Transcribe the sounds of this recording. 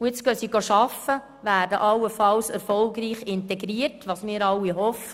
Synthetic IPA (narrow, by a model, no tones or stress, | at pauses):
ujɪt͡sɡ̥œsiɡoʃɑfə | ʋæːɾdəʔɑlːəfɑlsɛɾfɔlɡɾiːχɪntɛɡɾiəɾtʋɑːsmɪːɾɑlːiɦɔfə